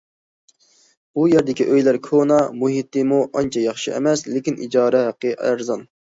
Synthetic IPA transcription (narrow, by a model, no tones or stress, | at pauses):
b̥ujɛɾd̪ɪkʲiʔøjlæɾkʰonɑmuɦit̪ːɨmuʔɑnt͡ʃʰɑjɑχʃiɛ̰mɛslɪkʲinʔḭd͡ʒɑːɾɛɦæqːəʔæ̰ɾzɑn